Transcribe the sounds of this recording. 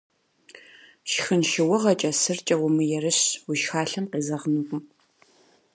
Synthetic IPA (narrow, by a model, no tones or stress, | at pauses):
ʃxɨnʃɪwʊʁɐt͡ʃʼɐsɨrt͡ʃʼɐwʊmɨjɛrɨɕwʊʃxaːɬɐmqeːzɐʁnɨɡʷʼʊm